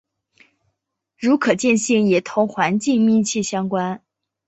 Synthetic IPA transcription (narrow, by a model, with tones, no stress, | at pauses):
ɻu˧˥kʰɤ˨˩t͡ɕjɛ˥˧nɕi˥˩ŋjɛ˨˩t̪ʰʊ˧˥ŋxwa˧˥nt͡ɕi˥˧ŋmi˥˧nt͡ɕʰɛ˥˩ɕjɑ˥ŋkwa˥n